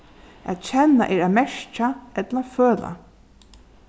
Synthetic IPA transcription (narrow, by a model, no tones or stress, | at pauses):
ʔæ̰t̪t͡ɕʰɛnːa̰ʔɛːɹæmɛʂt͡ʃaɛt̪laføːla̰